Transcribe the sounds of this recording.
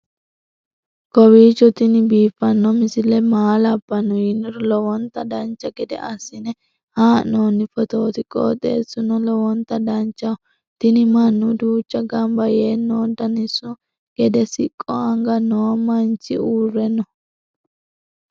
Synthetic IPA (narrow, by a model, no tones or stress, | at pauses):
kɔwiːt͡ʃːɔt̪ɪnɪbiːfːɐnːɔmɪsɪlɛmaːlɐbːɐnːɔjɪnːɔɾɔlɔwɔnt̪ːɐd̪ɐnt͡ʃːɐɡɛd̪ɛ̰ʔɐsːɪnɛ | haːnoːnːɪfɔt̪oːt̪ɪkʼɔ̰ːt̪ʼḛːsːʊnɔlɔwɔnt̪ːɐd̪ɐnt͡ʃːɐ | t̪ɪnɪmɐnːʊd̪uːt͡ʃːɐɡɐmbɐjeːnːoːd̪ɐnɪsːʊ | ɡ̥ɛd̪ɛsɪkʼːɔɐŋɡɐnoːmɐnt͡ʃːɪ̰uːrːɛnːɔ